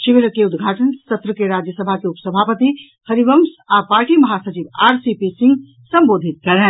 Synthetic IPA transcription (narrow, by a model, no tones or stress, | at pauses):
ʃiʋeɾəkeʊd̪ɡʱaːʈənsət̪ɾəkeɾad͡ʒjəsəbʱakeupsəbʱapət̪i | həɾibəmsapaːɾʈimɐɦasət͡ʃibaːɾsipisĩŋɡ | sə̃mboːd̪ʱit̪̚kɐɾɛ